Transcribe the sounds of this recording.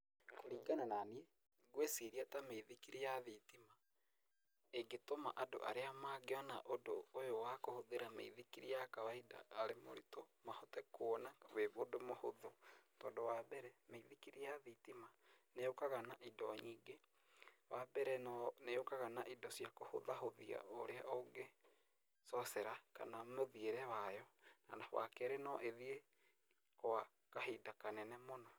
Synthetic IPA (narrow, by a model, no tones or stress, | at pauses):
koɾiːɡanananiɛ | ɡwesiɾiatameiðikiɾijaðitima | eɡetoma̰ʔado̰ʔa̰ɾeamaːɡeɔnaʔodo̰ːjowakohoðeɾamḛiðikiɾijakawaida̰ːɾemo̰ɾitɔmahɔtɛkonaweβodomohoðotɔːndowabɛɾɛmeiðikiɾijaðitimanejokaɣanaʔidɔɲiːɡe | wabɛɾɛnɔnejokaɣanaʔidɔsjakoho̰ðahoðia̰oɾeaʔoŋɡe | sɔsɛɾaka̰namoðieɾɛwajɔnanawa̰kɛɾenɔʔeðie | koa | kaɦidakanɛnɛmona